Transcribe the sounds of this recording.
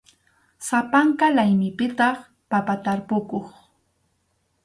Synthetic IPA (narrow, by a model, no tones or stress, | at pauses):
sapaŋkalajmɪpɪt̪ɑχ | papat̪aɾpʊkoχ